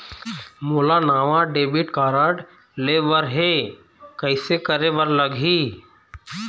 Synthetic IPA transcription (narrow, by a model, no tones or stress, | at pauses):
moːlanaːʋaɖeːbɪʈkaːɾəɖ | leːʋəɾɦe | kəɪsekəɾebəɾləɡiː